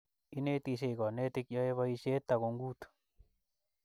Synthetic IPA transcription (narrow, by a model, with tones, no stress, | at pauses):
i˦ne˦t̪i˧s̬e˨ko˨ne˦t̪i˦˧kja˦e˦βa˧i˧se˦t̪ːa˨ko˨ŋɡu˦t̪